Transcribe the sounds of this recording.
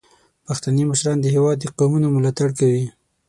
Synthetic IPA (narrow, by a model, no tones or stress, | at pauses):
paxt̪animəʃɾɑnd̪əhewɑd̪ːəqamunamʊlɑt̪aɽkawi